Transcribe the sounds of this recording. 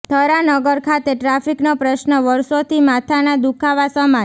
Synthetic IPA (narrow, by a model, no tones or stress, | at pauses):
t̪ʰəɾanəɡəɾkʰat̪eʈɾafiknopɾəʃnəʋəɾʃot̪ʰimat̪ʰanad̪ukʰaʋasəma